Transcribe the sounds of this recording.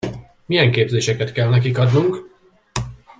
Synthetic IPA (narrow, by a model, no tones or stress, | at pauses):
mijɛŋkeːbzeːʃɛkɛt̪kɛlnɛkikɒd̪nuŋk